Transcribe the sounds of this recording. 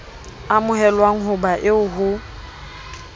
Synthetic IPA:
amʊɦɛlwaŋ̩ɦʊbaʔɪʊɦʊ

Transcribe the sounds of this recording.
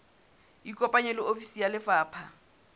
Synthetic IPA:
ikʼɔpʼaɲɛlɪofisijalɪfaːpʰa

